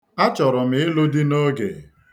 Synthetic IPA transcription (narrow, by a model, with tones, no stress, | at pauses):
a˦t͡ʃɔ˨ɾʊ˨m̩ɪ˨˦ɪ˦lo˦di˦no˦ɡḛ˨